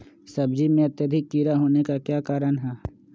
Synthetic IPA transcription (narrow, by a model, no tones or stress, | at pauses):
sɐb̚d͡ʒimẽɐt̪jəd̪ʱɪkːiːɾaɦoːnekakjaːkaːɾənɦɛː